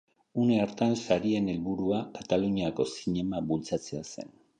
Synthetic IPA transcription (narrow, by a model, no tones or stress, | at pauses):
une̞aɾt̪ansaɾie̞ne̞lβuɾuakat̪aluɲiako̞siɲe̞maβult͡sat͡se̞ase̞̰n